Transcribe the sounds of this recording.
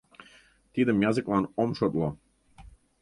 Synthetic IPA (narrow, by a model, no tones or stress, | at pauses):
t̪id̪ə̆mjɑzɨklˠɑnomʃot̪lˠo